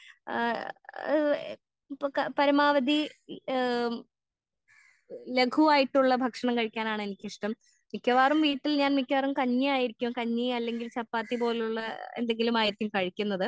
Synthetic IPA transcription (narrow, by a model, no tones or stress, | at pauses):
ɐpɐɾɐmaːʋɐd̪ʱi | le̞ɡʰʱuaːjiʈːuɭːɐbʱɐkʂɐɳɐmkɐɻikʲːaːnaːɳe̞nikʲːiʂʈɐm | mikʲːɐʋaːrumʋiːʈːilɲaːnmikʲːɐʋaːrumkɐɲːijaːjiɾikʲːumkɐɲːiɐlːe̞ŋɡilt͡ɕɐpːaːt̪ːipo̞ːluɭːɐe̞̰nd̪e̞ŋɡilumaːjiɾikʲːumkɐɻikʲːunːɐðɨ